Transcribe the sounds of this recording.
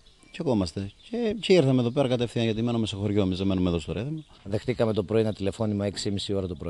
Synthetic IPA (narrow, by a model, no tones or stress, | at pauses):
cekomɐst̪e̞ceceiɾθɐmeðo̞pe̞ɾɐkɐt̪efθiɐnʝɐt̪ime̞numestoxo̞ɾʝo̞emizðeme̞numeðost̪oɾeθimɐ | ðe̞xt̪ikɐme̞t̪o̞pɾo̞inɐt̪ile̞fo̞nimɐeksiimisio̞ɾɐt̪opɾoi